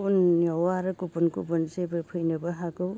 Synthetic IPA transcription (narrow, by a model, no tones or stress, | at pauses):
unjɔwaɾɯkubunkṵbunsebɯpʰɯjnɯbɯɦaɡɯw